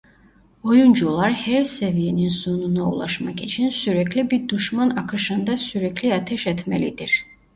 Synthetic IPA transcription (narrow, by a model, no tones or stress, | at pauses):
ojund͡ʒulˠaɾhɛɾsevijeninsununaṵlˠa̰ʃmɑkit͡ʃʰinsyɾɛklʲibiɾd̪uʃmanɑkʰɯʃɯnd̪asyɾɛkʰliat̪ʰɛʃɛt̪ʰmelid̪iɾ̥